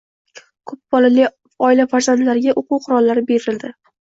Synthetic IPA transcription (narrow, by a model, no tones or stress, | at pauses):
kʰɵp̚b̥ɒlali | ɒɪlafaɾz̥ant̪laɾɪɡʲaʔoquwqʰʊɾɒlːaɾɪbe̞ɾɪld̪ɪ